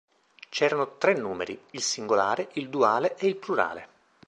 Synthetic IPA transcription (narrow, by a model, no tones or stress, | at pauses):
t͡ʃɛːɾanot̪ɾenːuːmḛɾiilsiŋɡolaːɾeʔild̪uaːleʔeilpluɾa̰ːlḛ